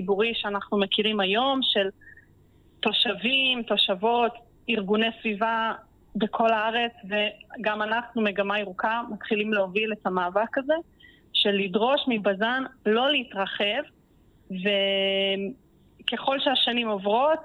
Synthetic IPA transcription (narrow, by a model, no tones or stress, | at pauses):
ibuʁiʃeanaχnumekiʁimajo̞mʃe̞l | to̞ʃavimto̞ʃavo̞t | iʁɡune̞jsviva | be̞kʰo̞laaʁe̞t͡sveɡamanaχnumeɡamaiʁukamatχilimleovile̞tamaːvakaze̞ | ʃe̞lidʁo̞ʃmibazanlo̞leitʁaχe̞v | ve | ke̞χo̞lʃeaʃanimovʁo̞t